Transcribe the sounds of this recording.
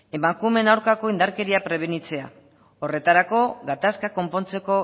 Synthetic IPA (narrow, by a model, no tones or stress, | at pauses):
e̞maŋkume̞nawɾkako̞ind̪aɾke̞ɾiapɾe̞β̞e̞nit͡se̞a | o̞re̞t̪aɾako̞ɣat̪askako̞mpo̞nt͡se̞ko̞